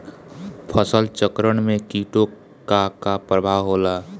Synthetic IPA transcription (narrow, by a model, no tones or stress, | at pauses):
pʰəsəlt͡ʃəkɾəɽ̃mẽkiʈo | kakapɾəbʱawɦola